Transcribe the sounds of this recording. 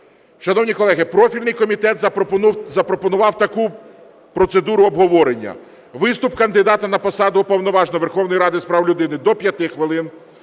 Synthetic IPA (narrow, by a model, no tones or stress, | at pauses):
ʃɐnɔwnʲikɔlˠɛɦɪpɾɔfʲilʲnɪjkɔmʲit̪ɛt̪zɐpɾɔpɔnʊʋɑwt̪ɐku | pɾɔt̪sed̪uɾʊɔbɦɔʋɔɾenʲːɐ̰ | ʋɪst̪ʊpkɐnd̪ɪd̪ɑt̪ɐnɐpɔsɑd̪ʊːpɔwnɔʋɑʒnɔʋe̞rxɔwnɔjɾɑd̪ɪspɾɑwlʲʊd̪ɪnɪd̪ɔpʲjɐt̪ɪxʋɪlˠɪn